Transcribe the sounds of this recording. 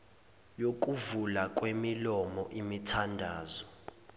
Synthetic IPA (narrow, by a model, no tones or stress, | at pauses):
jok̬ʼuvulakʼwemilɔmɔʔimitʰandʱaːzɔ